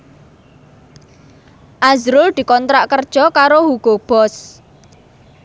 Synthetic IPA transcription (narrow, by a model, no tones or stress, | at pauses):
ʔazɾʊld̪̥i̤kɔnt̪ɾaʔkərd̥ʒ̥ɔkaɾohuɡ̥ob̥ɔs